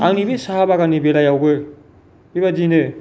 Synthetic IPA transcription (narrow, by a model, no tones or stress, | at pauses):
aŋnibesaɦabaɡanibelajawɡɯ | bibad͡ʒinɯ